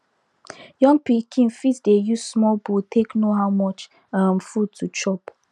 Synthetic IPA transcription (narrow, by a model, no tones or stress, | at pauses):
jɔ̃ŋɡpikʰĩnfitdejussmɔlbutʰeknoɦaʊmɔt͡ʃ | amfud̚tʰut͡ʃɔp